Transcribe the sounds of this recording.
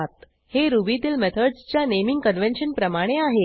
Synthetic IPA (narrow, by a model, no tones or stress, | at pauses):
t̪ | heɾubit̪iːlmɛt̪ʰəɖst͡ɕjanemiŋɡkənʋenɕənpɾəmaɽ̃eaɦe